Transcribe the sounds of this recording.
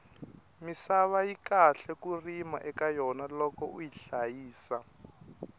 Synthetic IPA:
misaβajikaɬɛkurimaʔɛkajɔnalɔkɔujiɬajiːsa

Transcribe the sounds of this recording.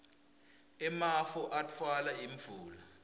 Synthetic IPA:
ɛmafɔʔatʰwalaiɱbvʱuːla

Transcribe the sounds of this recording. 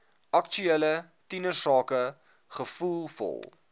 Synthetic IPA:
ʔɐkt͡ʃyelə | tinəsɑːkə | χəfulˠfɔ̰lˠ

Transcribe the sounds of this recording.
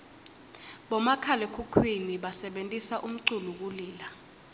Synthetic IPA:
ɓɔmakʰalɛkʰukʰwiniɓasɛɓentʼisaʔum̩ǀuluk̬uliːla

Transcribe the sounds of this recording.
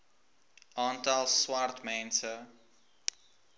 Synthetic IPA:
ɑːntalˠswaɾtmɛ̃nsə

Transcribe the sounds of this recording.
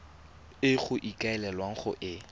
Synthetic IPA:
ɪχʊʔikʼaɛlɛlwaŋ̩χʊ̰ʔɪ

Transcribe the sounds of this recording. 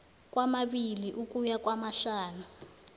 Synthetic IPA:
k̬wamaɓiliʔukujakwamaɬaːnu

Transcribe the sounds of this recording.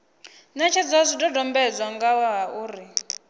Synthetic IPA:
nat͡ʃʰɛd͡zɔzʷidɔdɔmbɛd͡zwaŋɡawaɦaʔuːɾi

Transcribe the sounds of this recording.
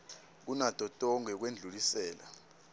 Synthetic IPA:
k̬unad̥ʱʼɔtʼɔŋɛk̬wend͡ɮʱulisɛːla

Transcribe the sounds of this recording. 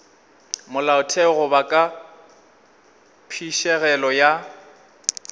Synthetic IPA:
mʊlaʊtʰɛɣʊbakʼa | pʰiʃɛɣɛlɔja

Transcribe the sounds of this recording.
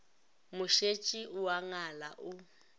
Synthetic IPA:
muʃet͡ʃʼiʔuwaŋalaʔu

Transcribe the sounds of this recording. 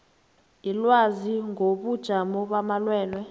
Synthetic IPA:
ilwaziŋoɓud̥ʒ̥ʱamɔɓamalwɛːnwɛ

